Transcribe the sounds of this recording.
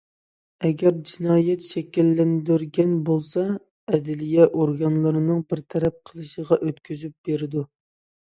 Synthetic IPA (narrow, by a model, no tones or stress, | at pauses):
ɛɡʲɛɾd͡ʒinɑːjɛt̪ʃɛkʲilːɛnd̪yɾɡʲɛnbolˠsɑ | ɛd̪ɪlijɛʔoɾɡɑnlˠɨɾɨnɨŋbɪɾt̪ʰɛɾɛp̚qʰəlˠɨʃəʁɑʔøt̪kʲyzyp̚b̥eɾɪd̪u